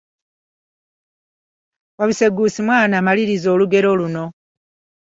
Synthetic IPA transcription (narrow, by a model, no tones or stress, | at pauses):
waβise̞ɡusimwaːnaːmaliɾizo̞ːluɡe̞ɾo̞luno̞